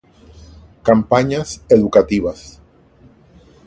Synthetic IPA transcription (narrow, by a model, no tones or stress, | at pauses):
kampaɲaseðukat̪iβas